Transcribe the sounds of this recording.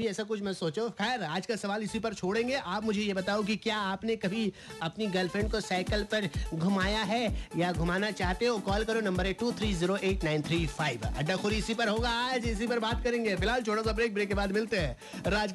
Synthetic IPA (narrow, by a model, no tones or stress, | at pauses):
bʱiɛːsak̬ʊt͡ʃʰmɛ̃soːt͡ʃõxɛːɾaːd͡ʒkasɐʋaːlɪsipɐɾt͡ʃʰoːɽẽːŋɡeʔaːpmʊd͡ʒʱejebɐt̪aːok̬ikjaːaːpnekɐbʱiɐpniɡɐlfʰɾɛ̃ɳɖkosaːɪkəlpɐɾɡʱʊmaːjaɦɛjaɡʱʊmaːnat͡ʃaːɦt̪eɦõkɔːlkɐɾonɐ̃mbəɾeːʈːuːt̪ʰɾiːziːɾoʔeːʈnãɪnt̪ʰɾiːfaːɪʋɐ̰ɖːaxʊɾiɪsipɐɾɦoːɡaaːd͡ʒɪs̬ipɐɾbaːt̪̚kɐɾẽːŋɡefɪlaːlt͡ʃʰoːʈasabɾeːk̚bɾeːkːebaːd̪mɪlt̪eɦɛ̃ː | ɾaːd͡ʒ